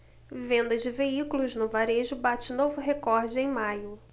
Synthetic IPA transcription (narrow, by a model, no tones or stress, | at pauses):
vẽnd̪ɐzd͡ʒɪveikulʊznʊvaɾeʒʊbat͡ʃɪnovʊɦekɔɾd͡ʒɪẽj̃majʊ